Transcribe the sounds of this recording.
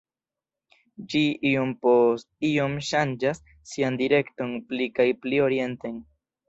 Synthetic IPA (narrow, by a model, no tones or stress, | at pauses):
d͡ʒiijompos | ijomʃand͡ʒasː | iand̪iɾekt̪oŋplikajplioɾjent̪eŋ